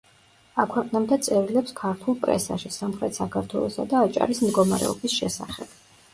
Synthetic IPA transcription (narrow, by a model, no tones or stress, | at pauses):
akʰwɛqʼnɛmnd̪ɛt̪sʼɛɾilɛpskʰaɾt̪ʰulˠpʼɾɛ̰sa̰ʃisamχɾɛt̪ʰsakʰaɾt̪ʰwɛlˠɔsa̰d̪aːt͡ʃʼa̰ɾismd̪ɡɔma̰ɾɛ̰ɔbisʃɛsaχɛb̥